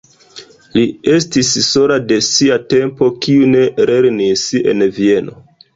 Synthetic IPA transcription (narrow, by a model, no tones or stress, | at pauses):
lie̞stisso̞lade̞siate̞mpo̞kiune̞ɾe̞ɾnise̞̰nvie̞no̞̰